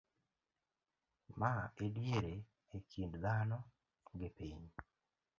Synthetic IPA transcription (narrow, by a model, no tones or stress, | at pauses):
maedjeɾeː | kʰindd̪anɔ | ɡepeɲ